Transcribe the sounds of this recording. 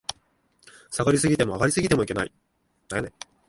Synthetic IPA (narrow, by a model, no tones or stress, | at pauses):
saɡaɾʲisɨɡʲit̪e̞mo̞aɡaɾʲisɨɡʲit̪e̞mo̞ike̞na̰i | naane